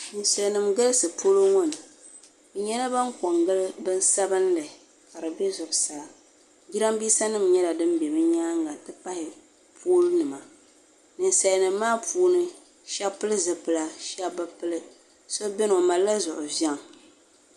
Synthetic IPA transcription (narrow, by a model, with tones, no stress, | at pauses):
nɨ˨nsa˨lnɨ˨mɡɨ˦lɨ˦sɨ˨poː˦lo˦ŋɔ˦nɨ˨ | bɨ˨ɲɛ˦la˦ba˦ŋko˨ŋɡɨ˦lbɨ˦n˦sa˦bɨ˦n˦lɨ˨ | ka˨ɾɨ˨bɛ˦zʊ˨ʔʊ˨sa˨a˨ | ɡi˦ɾa˦mbiː˦sa˦nɨ˦mɲɛ˦la˨dɨ˦m˦bɛ˨bɨ˦ɲaː˦ŋɡa˨tɨ˦pa˦hɪ˨ | pʰuː˦lnɨ˨ma˨ | nɨ˨nsa˨lnɨ˨mː˦aː˦pʰuː˦nɨ˦ | ʃa˦pɨ˦lɨ˦zɨ˨pɨ˨la˨ʃa˦bɨ˦pɨ˦lɨ˦ | so˦bɛ˦n˨ma˨lːa˦zʊ˨ʔʊ˨va˦ŋ˨